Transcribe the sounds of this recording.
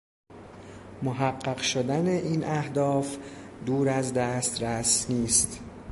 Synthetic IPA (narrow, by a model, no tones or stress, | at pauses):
moɦæɢːæɢʃod̪æneʔiːnʔæhd̪ɒːfd̪uːɾæzd̪æːst̪ɾæsniːst̪